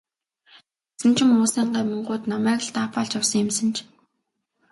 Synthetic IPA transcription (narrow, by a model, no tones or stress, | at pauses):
t | sɘ̆nt͡ɕʰɪ̆mʊːsæːɴɢaːmɵɴɢʊːt̪namæːkə̆ɬt̪aːpaːɮt͡ɕawsɞ̆ŋɪ̆msə̆nt͡ɕʰ